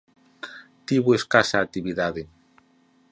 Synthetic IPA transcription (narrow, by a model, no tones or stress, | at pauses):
t̪iβueskasaːt̪iβiðaðe